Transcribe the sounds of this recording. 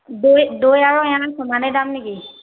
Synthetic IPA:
dojdojaɹɔɛjãasʰɔmanɛdamniki

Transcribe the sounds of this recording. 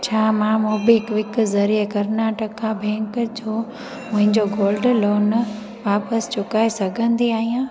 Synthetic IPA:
t͡ɕʰaːmãmoːbɪɦɪkʋɪkzɐɾikɐɾnaːʈəkkːʰãbʱɛ̃ːŋkd͡ʑoː | mʊ̃ɦɪ̃ɲd͡ʑoɡoːlɖloːn | ʋaːpəst͡ɕʊkaːesɐɡʱə̃nd̪iaːɦijãː

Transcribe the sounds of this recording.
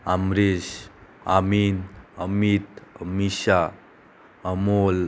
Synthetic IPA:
amɾisaminəmit̪̚əmisa | əmol

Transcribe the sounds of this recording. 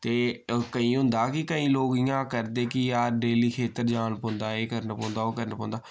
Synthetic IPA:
t̪eːkəĩːɦʊ̃nd̪aːkɪkəĩːloːkɪjãːkəɾd̪eːkɪjaːɾɖeːliːkʰeːt̪əɾd͡ʒaːnpõːnd̪aːeːkəɾnːpõːnd̪aːoːkəɾnːpõːnd̪aː

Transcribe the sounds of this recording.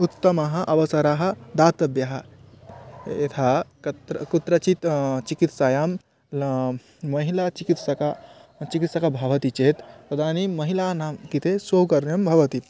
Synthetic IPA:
ut̪ːɐmɐɦɐ̆ʔɐʋɐsɐɾaːɦɐ̆d̪aːt̪ɐbjɐɦɐ | jet̪ʰaɐt̪ɾkut̪ːɾɐt͡ʃit̪t͡ʃikit̪sajaːm | ɐɦilat͡ʃikit̪sɐkat͡ʃikit̪sɐkabʱɐʋɐt̪it͡ʃeːt̪pɐd̪ʱaːnimɐɦilaːnaːmkit̪ʰesoːkɐɾnjɐmbʱɐʋɐt̪it̪

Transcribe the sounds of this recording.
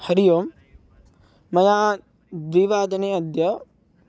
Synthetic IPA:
hɐɾijoːm | ɐjaː | ʋiʋaːd̪ɐneːɐd̪jɐ

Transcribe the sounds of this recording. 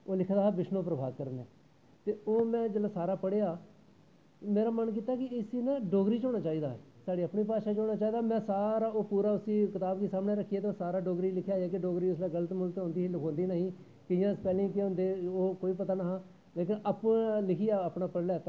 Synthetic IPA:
oːlɪkʰd̪aːɦːbɪʃnõːpɾəbʱa̰ːd̚kəɾənɛ̰ː | t̪eːoːmɛ̃ːd͡ʒəlaːsaːɾaːpəɽeːaː | meːɾaːmənk̬iːt̪aːkɪɪsiːnãːɖoːɡɾiːt͡ʃoːɽaːt͡ʃaːiːd̪a̰ːsaːɽiːəpɳiːpaːʃaːt͡ʃoːnaːt͡ʃaːiːd̪aːmɛ̃ːsaːɾaːoːpuːɾaːʊsiːkɪt̪aːbkeːsaːmneːɾəkʰːieːt̪eːsaːɾaːɖoːɡɾiːlɪkʰjaːaːkɪɖoːɡɾiːʊslaːɡələt̪mʊlt̪õːnd̪iːɪlɪkʰõːnd̪iːnəɦĩː | kɪjãːspɛːlẽiːkeʊ̃nd̪eːoːkoːiːpət̪aːnəɦãː | leːkɪnəpːlɪkʰiːaːəpɳaːpəɽlɛːt̪a

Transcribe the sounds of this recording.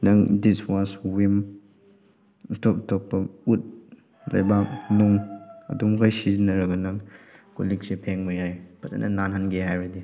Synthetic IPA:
nɐŋdiswaswim | tʰɔp̚tʰɔk̚pɐut̚ | lɐ̰jbak̚nuŋɐ̰dumkʰajsizinːɐɾɐɡɐnɐŋko̰lik̚sepʰeŋmujajpʰɐta̰nʔɐ̰nanɦanɡeɦajɾadi

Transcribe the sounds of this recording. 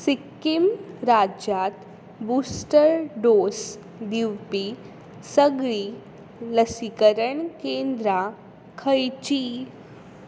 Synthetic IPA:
sikːimɾad͡ʑjat̪ | busʈəɾɖos | d̪iwpi | səɡɭi | ləsikəɾəɳkend̪ɾa | kʰəjt͡ɕi

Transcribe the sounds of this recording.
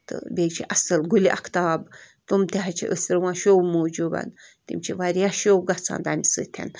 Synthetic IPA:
t̪ɨ̰bʲet͡ʃʰiʔɐsɨlɡulʲiʔakʰt̪aab | t̪umt̪eɦat͡ʃʰḭʔəsɾwãʃowmoːd͡ʒuba̰nt̪imt͡ʃʰiʋaɾʲjaʃowɡat͡sʰa̰nd̪amʲisɨ̰t̪ʰʲɛ̰n

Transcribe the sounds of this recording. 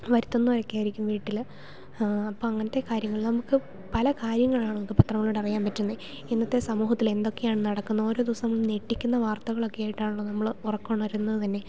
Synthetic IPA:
ʋɐɾit̪ːo̞nːuʋɐɾɐkːaːjiɾikʲːumʋiːʈːil | ɐpːoːɐŋːɐnɐt̪ːekaːɾjɐŋːɐɭilnɐmukːɨ | pɐlɐkaːɾjɐŋːɐɭaːɳɨnmukːɨpɐt̪rɐŋːɐɭoːɽeɐrijaːmpɐtːunːe | enːɐt̪ːe̞sɐmuːɦɐt̪ːile̞nd̪o̞kːe̞jaːɳɨnɐɽɐkːunːɐo̞ːɾo̞ːd̪iʋɐsɐnɐmːɐɭneʈːikʲːunːɐʋaːrt̪ɐɣɐɭo̞kːejaːjiʈːaːɳuɭːɐnɐmːɐɭurɐkːoːɳːʋɐɾunːɐðɨt̪ɐnːe̞

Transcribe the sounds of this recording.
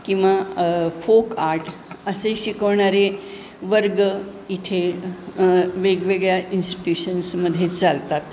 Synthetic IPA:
kĩw̃ʋafokaɾʈʰəseɕikəʋɳ̃aɾe | ʋəɾɡit̪ʰe | ʋeɡʋeɡɭjaʔinsʈi̥ʈjuɕənsməd̪ʱːjet͡salt̪at̪

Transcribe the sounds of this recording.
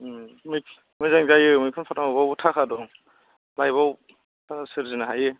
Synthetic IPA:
mɯj | mɯjzaŋzajɯmɯjkʰɯnpʰataŋɔbawtʰakʰadɔ | lajβaw | tʰaasɯɾzinaɦaje

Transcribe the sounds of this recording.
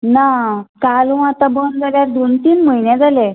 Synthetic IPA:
nakalũat̪abənd͡zaljaɾd̪ont̪iːnməjnjad͡zale

